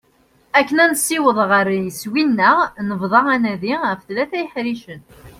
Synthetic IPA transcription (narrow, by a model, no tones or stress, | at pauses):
ækːənænsiwəðˤʁəɾjəswinːənəvðˤɑʁænæðiəfθlæθæjəħɾiʃən